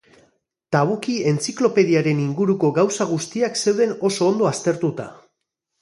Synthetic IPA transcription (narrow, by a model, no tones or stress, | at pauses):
t̪aβ̞ukie̞nt͡siklo̞pe̞ðiaɾe̞niŋɡuɾuko̞ɣawsaɣ̞ust̪iakse̞wðe̞no̞so̞ːnd̪oast̪e̞ɾt̪ut̪a